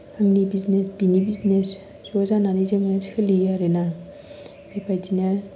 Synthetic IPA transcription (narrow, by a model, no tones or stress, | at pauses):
aŋnibiznesbinibiznes | sozananizeŋaskʰɯlijaɾena | bepʰajd͡ʒina